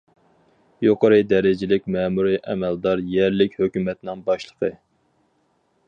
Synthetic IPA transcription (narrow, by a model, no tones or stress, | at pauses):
joqʰɑɾɨd̪ɛɾɪd͡ʒɪlɪkʲmɛmuɾiʔɛmɛld̪ɑɾjɛɾlɪkʲhøkʲymɛt̪nɪŋbɑʃlˠə̥qʰə